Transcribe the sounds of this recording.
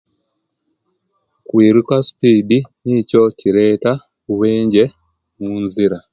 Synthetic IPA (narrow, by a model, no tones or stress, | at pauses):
kwiːɾikwasi̥piːdinico̞ciɾeːta | kuβeːɲɟe | muːnziɾa